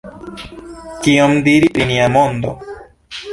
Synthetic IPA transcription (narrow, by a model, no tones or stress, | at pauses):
kiomd̪iɾipinĩamond̪o